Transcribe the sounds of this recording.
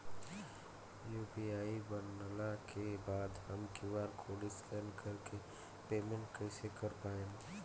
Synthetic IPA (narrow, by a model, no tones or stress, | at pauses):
juːbiaːibənːəlakebaːd̪ɦəmkiʋaːɾkʰoːlɪskɛnkəɾke | peːmẽɳʈkəɪsekəɾpaːẽːn